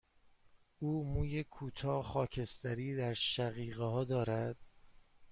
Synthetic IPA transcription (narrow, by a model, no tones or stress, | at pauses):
ʔuːmuːjekʰuːt̪ʰɒːxɒːcʰe̞st̪æɾiːd̪æɾʃæɣiːɣeɦɒːd̪ɒːɾæd̪̥̚